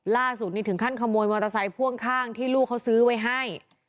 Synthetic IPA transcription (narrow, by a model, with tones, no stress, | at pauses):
laː˥˩su˨˩t̪̚niː˦˥˩t̪ʰɯ˩˦ŋkʰa˥˩nkʰa˧mːoː˧jmɔː˧t̪a˧sa˧˥jpʰu˥˩əŋkʰaː˥˩ŋt̪ʰiː˥˩luː˥˩kʰːa˦˥wsɯː˦˥wa˦˥jɦa˥˩j